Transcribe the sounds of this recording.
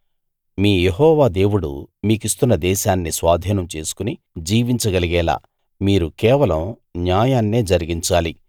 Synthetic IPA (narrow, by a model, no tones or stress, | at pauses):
miːjeɦɔːʋaːd̪e̞ːwuɽṵmiːkist̪unːɐd̪ɛːʃaːnːisʋaːd̪ʱiːnɐmt͡ʃe̞ːsu̥kuni | d͡ʒiːʋiɲt͡ʃɐɡɐliɡɛːla̰ː | miːɾukɛːʋɐlɐm | njaːjaːnːeːd͡ʒɐɾiɡiɲt͡ʃaːli